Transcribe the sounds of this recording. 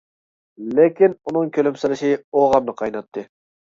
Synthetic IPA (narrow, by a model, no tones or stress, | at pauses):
lɪkʲinunɨŋkʲʰølymsɪɾɪʃioʁɑmnɨqʰɑjnɑt̪ʰːɨ